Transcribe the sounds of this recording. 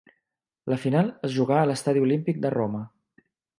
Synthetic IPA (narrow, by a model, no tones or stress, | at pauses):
ləfinalˠəzʒuɣaələst̪aðiulimpik̚d̪əromə